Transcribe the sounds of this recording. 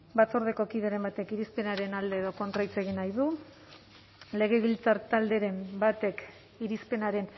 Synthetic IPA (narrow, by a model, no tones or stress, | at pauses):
bat͡soɾð̞e̞ko̞kiðe̞ɾe̞mbat̪e̞kiɾispe̞naɾe̞nald̪e̞ːðo̞ko̞nt̪ɾajt͡seɣ̞inajðu | le̞ɣ̞e̞β̞ilt͡saɾt̪ald̪e̞ɾe̞mbat̪e̞k | iɾispe̞naɾe̞n